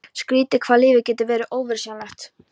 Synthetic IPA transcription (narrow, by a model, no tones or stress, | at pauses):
skɾiːt̪ɪkʰvaːðlɪːvɪcɛːt̪ɪvɛːɾɪʔoːwvɪɾ̥sjanaht̪